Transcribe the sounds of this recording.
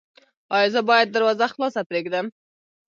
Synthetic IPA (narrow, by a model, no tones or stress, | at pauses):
ɑjɪzabɑjad̪̚ːəɾwɑzaxlɑsapɾeɡd̪əm